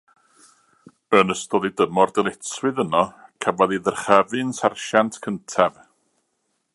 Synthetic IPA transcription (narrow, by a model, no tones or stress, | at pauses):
ənəstɔðidəmɔrdɛlˠɛtswɨðənɔkʰavɔðiðərχɛvɨnsarʃantʰkʰəntʰɛv